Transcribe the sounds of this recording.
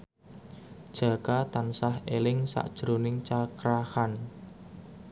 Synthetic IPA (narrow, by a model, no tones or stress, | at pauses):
d̥ʒ̥ä̤kat̪ansahelɪŋsa̰ʔd̥ʒ̥ɾonɪŋt͡ʃakɾahan